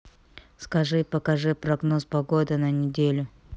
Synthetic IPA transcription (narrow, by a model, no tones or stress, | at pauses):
skɐʐɨpəkɐʐɨpɾɐɡno̞spɐɡo̞d̪ɨnɐnʲɪdʲelʲʊ